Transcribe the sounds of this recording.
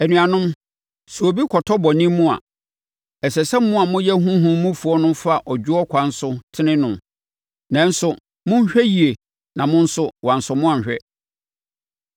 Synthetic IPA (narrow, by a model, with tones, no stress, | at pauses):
ɛ˨nỹ˨a˨nʊ̃˦m | su˨o˨bi˦kʰɔ˨tʰɔ˦bɔ˨nĩ˦mũ˦a̰˨ | ɛ˨sɛ˨sɛ̃˦mmːʊ̃˦a˨mʊ̃˦jɛ˦ɦũ˦ɦũ˦mũ˦fu˨ɔ˦nʊ̃˦fa˦˨ʔɔ˨d͡ʑᶣʊ˦ɔ˦kʷʰã˦n̩˦sʊ˦tʰɪ˦nɪ̃˦nʊ̃˨ | nã˦n̩˦sʊ˦ | mʊ̃˦ɲ˦ɕᶣɛ˦ji˨e˨ | nã˨mʊ̃˦n̩˦sʊ˦wã˨n̩˨sʊ˨mʊ̃˦ã˨ɲ˨ɕᶣɛ˦